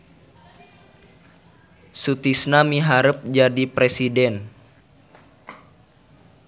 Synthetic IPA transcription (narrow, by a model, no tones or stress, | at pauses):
sut̪isnamiɦaɾəp̚d͡ʒadipɾesidɛn